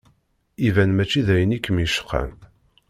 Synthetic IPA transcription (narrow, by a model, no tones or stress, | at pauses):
ivænmæt͡ʃːiðæjənikːəmiʃə̥qːæ̰n